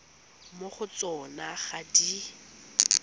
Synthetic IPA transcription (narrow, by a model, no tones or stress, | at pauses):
moχʊt͡sɔnaχadi